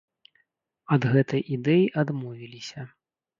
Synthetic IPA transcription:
ɐd̪ɣɛt̪ɐjʔid̪ɛjiʔad̪mɔvʲilʲisʲɐ

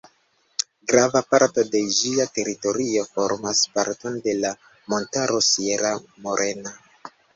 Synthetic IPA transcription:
ɡɾavapaɾto̞de̞d͡ʒiate̞ɾito̞ɾio̞fo̞ɾmaspaɾto̞nde̞la | mo̞ntaɾo̞sieɾamo̞ɾʔe̞na

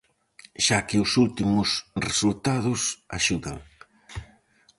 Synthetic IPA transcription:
ʃakɪʊsult̪imʊsresult̪aðʊsa̰ʃuða̰ŋ

